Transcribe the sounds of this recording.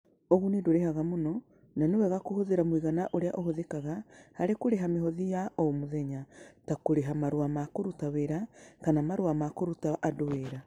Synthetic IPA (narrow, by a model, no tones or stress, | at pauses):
oɣunedoɾehaɣamonɔ | nanewɛɣakohoðeɾamwiɣanaʔoɾeaʔoɦoðekaɣahaɾekoɾeɦameɦɔðijaʔomoðɛɲatakoɾeɦamaɾwamakoɾutaweɾakanamaɾwamakoɾutaʔadoweɾa